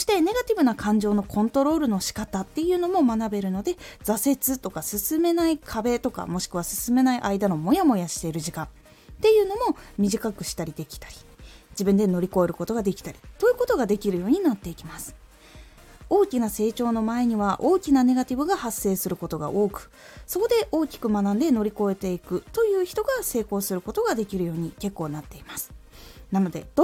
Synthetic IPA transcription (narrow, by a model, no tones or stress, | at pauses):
soɕi̥t̪ene̞ɡat̪ʲibɯ̟nakãɲ̟d͡ʑo̞ːno̞kʰõ̞nt̪o̞ɾo̞ːɾɯ̟no̞ɕi̥kat̪at̪ːe̞jɯ̟ːno̞mo̞manabe̞ɾɯ̟no̞d̪e̞d͡zase̞t͡sɨt̪o̞kasɨsɨme̞naikʰabe̞t̪o̞ka̰mo̞ɕi̥kɯ̟β̞asɨ̥sɨme̞naiʔaid̪ano̞mo̞jamo̞jaɕi̥t̪e̞iɾɯ̟ʑikã | t̪e̞jɯ̟ːno̞mo̞mʲiʑikakɯ̟ɕi̥t̪aɾʲid̪e̞kʲi̥t̪ḁɾʲi̥d͡ʑibɯ̟̃nd̪e̞no̞ɾʲiko̞eɾɯ̟ko̞t̪o̞ɡad̪ekʲi̥t̪aɾʲit̪o̞jɯ̟ːko̞t̪o̞ɡad̪e̞kʲiɾɯ̟jo̞ːɲ̟inat̪ːe̞ikʲimasɨ̥ | o̞ːkʲinase̞ːt͡ɕo̞ːno̞mae̞ɲ̟iβaʔo̞ːkʲinane̞ɡat̪ʲibɯ̟ɡahasːe̞ːsɨɾɯ̟ko̞t̪o̞ɡa̰ʔo̞ːkɯ̟̥ | so̞ko̞d̪e̞ʔo̞ːkʲi̥kɯ̟manãnd̪e̞no̞ɾʲiko̞e̞t̪e̞ikɯ̟t̪o̞jɯ̟ːçi̥t̪o̞ɡase̞ːko̞ːsɨɾɯ̟ko̞t̪o̞ɡad̪e̞kʲiɾɯ̟jo̞ːɲ̟ike̞kːo̞ːnat̪ːe̞imasɨ̥nano̞d̪e̞d̪̥o